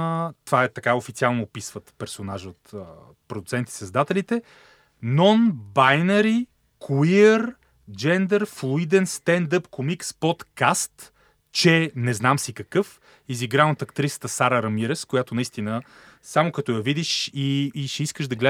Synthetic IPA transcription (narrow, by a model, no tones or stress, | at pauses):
t̪vaɛt̪ɐkaofit̪sialˠnopisvət̪pɛɾsonaʒot̪ə | pɾod̪ut̪sɛnt̪i̥sɐzd̪at̪ɛlit̪ɛ | nɔnbajnɐɾi | kuiəɾ | d͡ʒɛnd̪ɛɾflˠuid̪ɛnst̪ɛnd̪əpkomikspot̪kast̪ | t͡ʃɛnɛznamsikɐkɤf | iziɡɾanot̪ɐkt̪ɾisə̥t̪əsaɾəɾɐmiɾɛskojat̪onɐist̪inə | samokɐt̪ɔjɐvid̪iʃiːʃɛiskəʒd̪ɐɡlɛ